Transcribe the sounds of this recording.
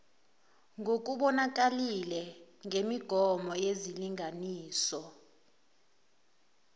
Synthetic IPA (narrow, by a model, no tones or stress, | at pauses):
ŋok̬ʼuɓɔnak̬ʼalilɛŋʱemiɡ̥ʱɔmɔjeziliŋʱaniːsɔ